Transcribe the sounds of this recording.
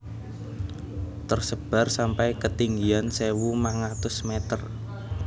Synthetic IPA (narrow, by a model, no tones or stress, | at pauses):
t̪ərsəb̥a̤rsampajkət̪iŋɡiansewumaŋat̪ʊsmet̪ər